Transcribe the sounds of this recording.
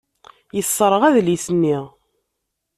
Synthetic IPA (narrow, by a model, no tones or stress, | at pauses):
jəsˤːɾˤəʁæðlisənːiʁ